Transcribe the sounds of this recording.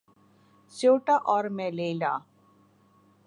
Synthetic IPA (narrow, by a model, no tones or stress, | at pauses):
soːʈaʔɔːɾmɛ̃leːla̰ː